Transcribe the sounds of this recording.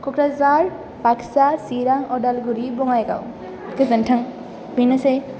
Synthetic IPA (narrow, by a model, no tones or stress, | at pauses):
kɔkɾazaɾ | paksasiɾaŋɔɖalɡuɾibɔŋajɡa̰w | kezɐnʈʰaŋ | binasej